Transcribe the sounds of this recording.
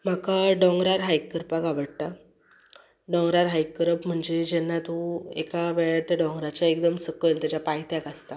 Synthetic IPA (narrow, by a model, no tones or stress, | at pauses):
m̤akaɖɔ̃ŋɡɾaɾɦajkːəɾpakaʋəɽt̪a | ɖɔ̃ŋɡɾaɾɦajkːəɾəpm̤əɳd͡zed͡ʑɛnːat̪ũḛkaʋɛɭat̪əɖɔ̃ŋɡɾat͡ɕaek̚d̪əmsəkəlt̪jat͡ɕapajt̪jakast̪a